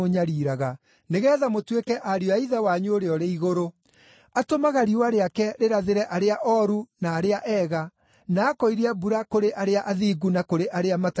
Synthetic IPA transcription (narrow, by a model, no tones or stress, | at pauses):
oɲaɾiɾaɣa | neɣɛːðamotwekɛʔaɾioaiðawaɲuoɾeɔɾeiɣoɾo | atomaɣaɾiwaɾeakɛɾeɾaðeɾɛʔaɾeaʔɔɾunaːɾeaʔɛɣa | naːkɔiɾiabuɾakoɾeʔaɾeaʔaðiːɡunakoɾeʔaɾeamat